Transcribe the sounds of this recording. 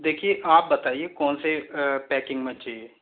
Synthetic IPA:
d̪eːkʰieʔaːp̚bɐt̪aːiekɔːnsepɛːkɪ̃ŋɡmẽt͡ʃaːieː

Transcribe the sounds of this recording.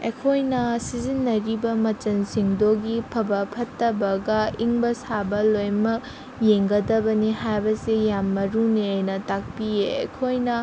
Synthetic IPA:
ḛkʰojnɐsizinːɐɾibɐmɐt͡ʃɐnsiŋdoɡipʰɐbɐpʰɐtːɐbɐɡɐiŋbɐsabɐlojmɐk̚ | jeŋɡɐdɐbɐnihajbɐsijamːɐɾuniɐjnɐtak̚pieḛkʰojnɐ

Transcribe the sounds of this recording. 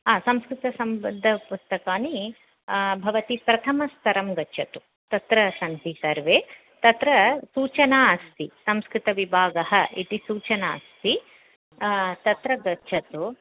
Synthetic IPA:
ɦaːsɐ̃mskɾɪt̪ɐsɐmbɐd̪ʱːɐpust̪ɐkaːni | bʱɐʋɐt̪ipɾɐt̪ʰɐmɐst̪ʰɐɾɐmɡɐtːʃʰɐt̪u | t̪ɐt̪ɾɐsɐnd̪ʱisɐɾʋeː | t̪ɐt̪ɾɐsuːt͡ʃɐnaːɐst̪isɐmskɾɪt̪ɐʋibʱaːɡɐɦɐ̆ʔiʈ̪isuːt͡ʃɐnaːst̪ʰi | t̪ɐt̪ɾɐɡɐtːʃʰɐt̪u

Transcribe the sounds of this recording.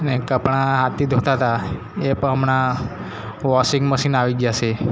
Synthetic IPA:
ənekəpɳaɦat̪ːid̪ʱot̪at̪a | epəəmɳa | ʋɔsiŋɡməʃinaʋiɡjat͡ʃʰe

